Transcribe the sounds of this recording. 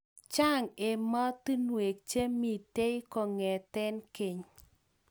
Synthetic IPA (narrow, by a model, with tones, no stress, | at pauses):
t͡ʃa˦˨ŋe˨ma˦ti˦nwe˨k̚t͡ʃe˦mi˨te˦i˦kɔ˨ŋɛ˨tɛ˦nke˨ɲ